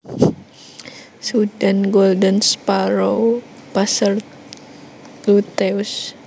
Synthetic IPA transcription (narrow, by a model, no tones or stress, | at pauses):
sudanɡɔldənspaɾow | pasar | lut̪ɛus